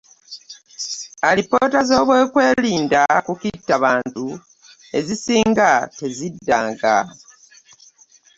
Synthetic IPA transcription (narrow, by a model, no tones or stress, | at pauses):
alipo̞ːtazo̞ːβwe̞ːkwe̞ːliːndakukitːaβaːntu | e̞zisiːŋɡate̞zidːaːŋɡa̰